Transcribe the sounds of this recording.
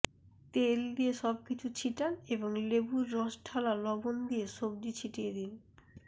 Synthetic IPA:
t̪eld̪ijeʃɔb̚kit͡ɕʰut͡ɕʰiʈaneboŋlebuɾːɔsʈʰalalɔbond̪ieʃob̚d̪it͡ɕʰiʈied̪in

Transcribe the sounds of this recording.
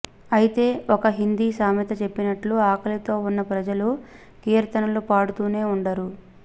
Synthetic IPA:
ɐjit̪e̞ːɔkɐɦind̪iːsaːmjit̪ɐt͡ʃe̞pːinɐʈluaːkɐlit̪o̞ːunːɐpɾɐd͡ʒɐlu | kiːɾt̪ɐnɐlupaːɽut̪uːne̞ːuɳɖɐɾu

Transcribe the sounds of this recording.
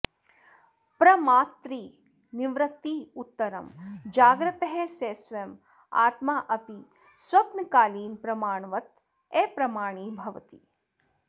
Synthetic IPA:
pɾɐmaːt̪ɾiː | niʋɾɐt̪ːiːut̪ːɐɾɐmd͡ʒaːɡɾɐt̪ɐɦeseːsʋɐm | a̰ːt̪maːʔɐpi | swɐpnɐkaːliːnpɾɐmaːɳʋɐt̪ | eːpɾɐmaːɳ̃iːbʱɐʋɐt̪iː

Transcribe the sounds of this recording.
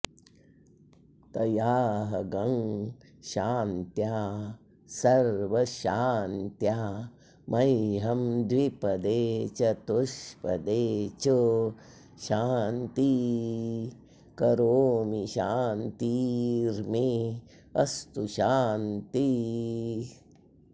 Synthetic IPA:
t̪ɐjaːɦɐɡɐŋ | ʃaːnt̪jaː | sɐɾʋɐʃaːnt̪jaː | mɐjɦɐmd̪ʋipɐd̪eːt͡ʃɐt̪uʃpɐ̰d̪eːt͡ʃu | ʃaːnt̪i | kɐɾoːmiʃaːnt̪iːɾmi | ɐ̰st̪uʃaːnt̪i

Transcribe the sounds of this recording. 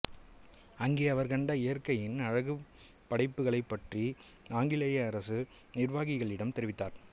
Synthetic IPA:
ɐŋɡeːɐʋɐɾkɐɳɖɐɪjɐɾkɐjɪnɐɻɐɣɯ | pːɐɽɐɪpːɯɣɐɭɐɪpːɐʈri | aːŋɡɪlɐjɐɐɾɐsɯ | nɪɾʋaːɣɪɣɐɭɪɽɐmt̪ɛɾɪʋɪt̪ːaːɾ

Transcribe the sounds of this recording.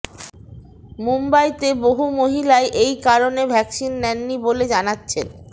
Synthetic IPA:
mumbajt̪eboɦumoɦilaeʔejkaɾonebʱɛksinːɛnːiboled͡ʑanatːɕʰḛn

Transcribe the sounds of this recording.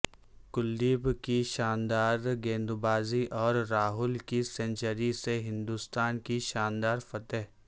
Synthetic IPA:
kʊlːiːbkiʃaːnd̪aːɾɡẽːnd̪ʊbaːziʔɔːɾːaːɦʊlkisɛ̃nt͡ʃəɾiseɦɪ̃nd̪ust̪aːnkiʃaːnd̪aːɾfɐt̪əɦ

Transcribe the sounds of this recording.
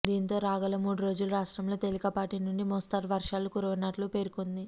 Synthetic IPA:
d̪iːnt̪o̞ːɾaːɡɐlɐmuːɽuɾo̞ːd͡ʒuluɾaːʂʈɾɐmlo̞ːt̪elikɐpaːʈinuɳɖimɔst̪ɐɾʋɐɾʂaːlukuɾuʋɐnɐʈlupe̞ːɾukond̪i

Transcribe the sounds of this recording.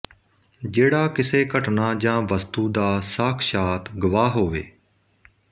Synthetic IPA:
d͡ʒeːɽaːkɪseːkəʈnaːd͡ʒãːʋəst̪uːd̪aːsəkʰʃaːt̪ɡʊʋaːɦoːʋḛː

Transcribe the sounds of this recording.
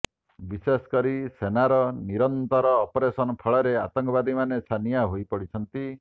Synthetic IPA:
bisesɔ̥kɔɾisenaɾɔniɾɔnt̪ɔɾɔːpɔɾesɔnɔpʰɔɭɔɾeat̪ɔŋkɔbad̪imanesanijaɦojpɔɽit͡ʃʰɔnt̪i

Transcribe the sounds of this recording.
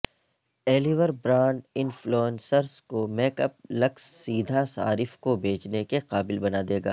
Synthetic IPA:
ɛːliʋəɾbɾãːɳɖɪnfloːnsəɾskomeːkəp̚lɐksːiːd̪ʱasa̰ːɾɪfkobʱeːt͡ʃnekeqaːbɪlbɐnad̪eːɡa̰ː

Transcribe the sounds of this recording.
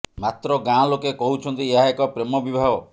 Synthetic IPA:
mat̪ɾɔɡãlokekɔɦut͡ʃʰɔnt̪ieɦaekɔpɾemɔbibʱaɦɔ

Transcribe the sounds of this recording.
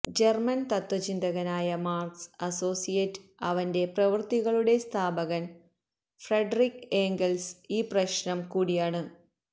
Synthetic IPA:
d͡ʑermɐnt̪ɐt̪wɐt͡ɕind̪ɐɣɐnaːjɐmaːrksɐso̞ːsijetːɐʋɐnde̞prɐʋɨrt̪iɣɐɭuɽe̞st̪ʰaːbɐɣɐn | freɖrikːeːŋɡelsiːprɐɕnɐmkuːɽijaːɳɨ

